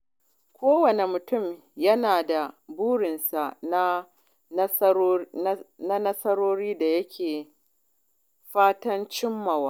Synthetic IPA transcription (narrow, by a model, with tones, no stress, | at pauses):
kʷoː˦wɐ˨ne˨mʊ˨tʊ˦˨m | jɐ˦naː˨da˨buː˦ɽɪ˨nsa˨na˦ | na˦nɐ˦sɐ˦ɾoː˦ɾiː˦da˨jɐ˦kʲʰeː˨ | ɸaː˦tɐ˦nt͡ʃɪ˦mːɐ˨waː˦